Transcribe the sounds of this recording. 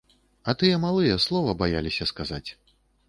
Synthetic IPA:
ɐt̪ɨjɛmalˠɨjɛslˠɔvɐbaja̰lʲisʲɐskazat͡sʲ

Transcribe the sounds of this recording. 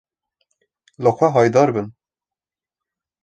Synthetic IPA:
ləxʷɛɦɑːjd̪ɑːɾbɨn

